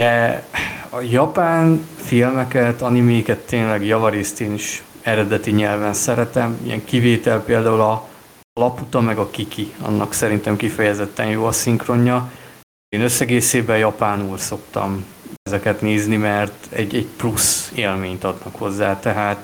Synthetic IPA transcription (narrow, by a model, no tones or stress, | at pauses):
d̪ɛ | ɒjɒpaːnfilmɛkɛt̪ɒnimikɛt̪ːeːnlɛɡjɒvɒɾeːst̪eːniʃ | ɛɾɛd̪ɛt̪iɲɛlvɛnsɛɾɛt̪ɛmḭjɛ̰ŋkiveːt̪ɛlpeːld̪aːulɒ | lɒput̪ɒmɛɡɒkikʰiɒ̰nːɒksɛɾint̪ɛmkifɛjɛzɛt̪ːɛnjoːɒsiŋkro̞ɲːɒ | eːnøsːɛɡeːseːbɛjɒpaːnuːlso̞kt̪ɒ̰m | ɛzɛkɛt̪neːznimɛrt̪ɛ̰ɟːɛɟpluseːlmeːɲt̪ɒd̪nɒkho̞zːaːt̪ɛɦaːt̪